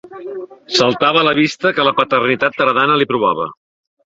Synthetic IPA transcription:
səlˠt̪aβələβ̞ist̪əkələpət̪ərnit̪at̪̚ːəɾðanəlipɾuβ̞aβə̰

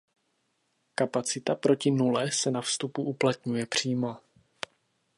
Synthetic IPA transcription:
kapat͡sɪt̪apɾo̞cɪnulɛsɛnafst̪upuʔuplat̪ɲujɛpr̝̥iːmo̞

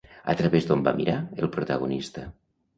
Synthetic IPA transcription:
ə̰t̪ɾəβezd̪omba̰miɾaelˠpɾut̪əɣ̞unist̪ə

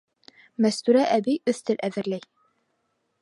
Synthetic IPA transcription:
mæst̪uɾæʔæbiɵθt̪ɘlʔæðɘ̆ɾlæj

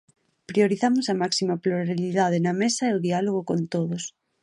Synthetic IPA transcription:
pɾioɾiθamʊsɐmaksimɐpluɾaliðaðenɐmesɐeoðialoɣ̞okont̪oðos

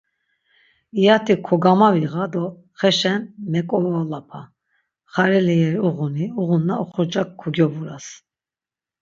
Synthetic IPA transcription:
ijat̪ʰikʰɔɡamaviʁad̪ɔ | χɛʃɛnmɛkʼɔvɔlapʰa | χaɾɛliɛɾiuʁuniuʁunːaɔχɔd͡ʒakʰːɔɡjɔbuɾas

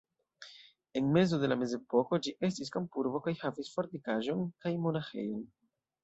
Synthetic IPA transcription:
e̞nme̞zo̞de̞lame̞ze̞po̞ko̞d͡ʒiʔe̞s̬tis̬kampuɾbo̞kajhavisfoɾt̪ikaʒo̞nkajmo̞naxe̞̰jo̞n

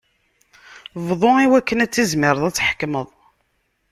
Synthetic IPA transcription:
vðˤoiwækːənæt͡sːizmɪɾəðˤæt͡sːħə̥kməðˤ

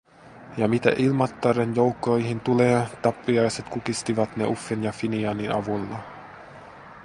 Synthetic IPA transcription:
jɑmit̪æ̰ʔilmɑt̪ːɑɾenjo̞wkːˑojɦint̪uleːt̪ɑpːiɑjset̪kukist̪iʋɑt̪nḛʔufːenjɑfiniɑniɑʋulːɑ

